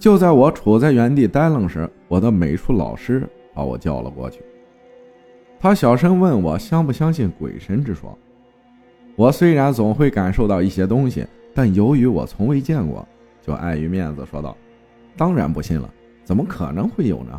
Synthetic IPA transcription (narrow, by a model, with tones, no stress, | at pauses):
t͡ɕjo˥˧ʊt͡sa˥˩ɪwɔ˧˥ʈ͡ʂʰu˨˩t͡sa˥˩ɪɥɛ˧˥nt̪i˥˩t̪a˥ɪlɤ˥˩ŋʂɻ̩˧˥wɔ˨˩d̪ə˦me˨˩ɪʈ͡ʂʰu˥lɑ̰˨˩ʊʂɻ̩˥ | pa˧˥wɔ̰˨˩t͡ɕjɑ̰˥˩ʊlə̰˩kwɔ̰˥˧t͡ɕʰy̥̰˥˩ | t̪ʰa˥ɕjɑ˨˩ʊʂə˥ŋwə˥˩nwɔ̰˨˩ɕjɑ˥ŋpu˥˩ɕjɑ˥ŋɕi˥˩nkwḛ˨˩ɪʂə˥nʈ͡ʂɻ̩˥ʂwɔ̰˥ | wɔ˨˩swe˥ɪɻa˧˥nt͡sʊ˨˩ŋxwe˥˩ɪka˨˩nʂo˥˧ʊt̪ɑ˥˧ʊi˥˩ɕjɛ˥t̪ʊ˥ŋɕḭ˨ | t̪a˥˩njo˧˥ʊy˧˥wɔ̰˨˩t͡sʰʊ˧˥ŋwe˥ɪt͡ɕjɛ˥˧nkwɔ̰˨˩˦ | t͡ɕjo˥˧ʊʔa̰˥˩ɪy˧˥mjɛ˥˩nd͡z̩˩ʂwɔ̰˥t̪ɑ̰˥˩ʊ | t̪ɑ˥ŋɻa̰˧˥npu˧˥ɕḭ˥˩nlə̰˩ | t͡sə˨˩mə˦kʰɤ̰˨˩nɤ˧˥ŋxwe˥˩ɪjo˨˩ʊnə̰˦